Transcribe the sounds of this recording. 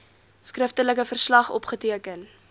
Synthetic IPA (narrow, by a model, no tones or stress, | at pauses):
skrəftələkəfərslɐχɔpχətiəkən